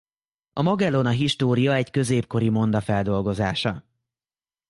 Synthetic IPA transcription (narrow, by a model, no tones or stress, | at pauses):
ɒmɒɡɛlo̞nɒɦiʃt̪oːɾijɒɛckø̞zeːpko̞ɾimo̞nd̪ɒfɛld̪o̞lɡo̞zaːʃɒ